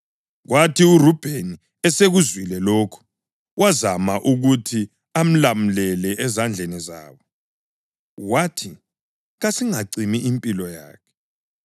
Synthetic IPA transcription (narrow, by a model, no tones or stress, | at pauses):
ɣwatʰiurub̥ʱeni | ɛseɣuzwilɛloːkʰu̥ | wazamaʔuɣutʰi | am̩lamulɛlɛʔɛzand͡ɮʱeniza̰ːβɔ | ɣwatʰi | ɣasiŋaǀimiʔimpʼilɔja̰ːkʰɛ̥